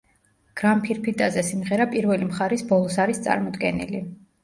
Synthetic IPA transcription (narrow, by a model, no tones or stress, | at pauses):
ɡ̥ɾampʰiɾpʰit̪ʼazɛsimʁɛɾapʼiɾvɛlimχaɾisbɔlˠɔsaɾist̪sʼa̰ɾmɔd̪ɡɛnḭli